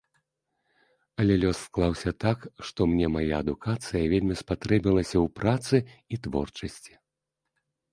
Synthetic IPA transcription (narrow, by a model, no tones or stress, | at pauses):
ɐlʲɛlʲɔsːklˠawsʲɐt̪akʂt̪ɔmnʲɛmajaɐd̪ukat̪sɨjɐvʲelʲmʲispat̪ɾɛbʲilˠɐsʲɐwpɾat̪sɨit̪vɔ̰rt͡ʂɐsʲt͡sʲi̥